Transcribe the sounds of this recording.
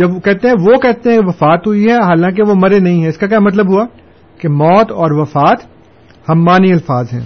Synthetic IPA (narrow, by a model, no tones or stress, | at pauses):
d͡ʒɐbkɛɦt̪ẽɦɛ̃ʋokɛɦt̪ẽɦɛ̃ʋɐfaːt̪ɦʊiɦɛɦaːlãːk̬eʋomɐɾenɐɦĩɦɛ̃ɪskak̬jaːmɐt̪ləbɦuaː | kemɔːt̪ɔːɾʋɐfaːt̪ | hɐmːaːniɐlfaːzɦɛ̰̃ː